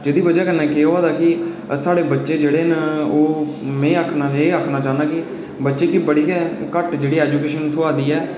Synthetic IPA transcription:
d͡ʒeːd̪iːbəd͡ʒaːkənɛ̃ːkeːoaːd̪aːkɪ | saːɽeːbətːʃeːd͡ʒeːɽeːnoː | mɛ̃ːəkʰnaːẽːəkʰnaːt͡ʃaːnd̪aːkɪ | bətːʃeːkibəɽiːkɛkəʈd͡ʒeːɽiːɛːd͡ʒuːkeːʃənt̪ʰoaːd̪iːɛː

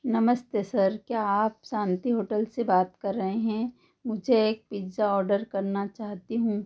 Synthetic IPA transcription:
nɐməst̪esɐɾkjaaːpsãːnt̪iɦoːʈəlsebaːt̪kɐɾːɐɦeɦɛ̃ | mʊd͡ʒʱeːk̚pid͡ʒaɔːɾɖəɾkɐɾnat͡ʃaːɦt̪iɦũː

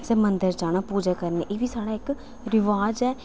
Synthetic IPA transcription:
sɛːmənd̪əɾd͡ʒaːñaːpuːd͡ʒaːkəɾneːʔeːʋiːsaːɽaːɪk | ɾɪʋaːd͡ʒɛː

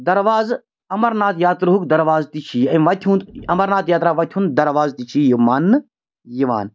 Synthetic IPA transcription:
d̪ɐɾʋaːz | ɐmɐɾnaːt̪jaːt̪ɾɦukd̪ɐɾʋaːzt̪it͡ʃʰiɐʋɐt̪ʲʰunt̪ɐmɐɾnaːt̪jaːt̪ɾaːʋɐt̪ʲʰuːnd̪ɐɾʋaːzt̪it͡ʃʰijimaːnːɨ | jiʋa̰ːn

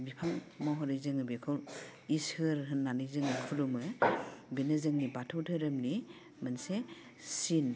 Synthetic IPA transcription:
bipʰaŋmɔɦɔɾɯzɯŋɯbikʰɯwishɯɾɦɯnːanizɯŋɯkʰulumɯbinɯzɯŋnibatʰɔwtʰɯɾɯmni | manse | sin

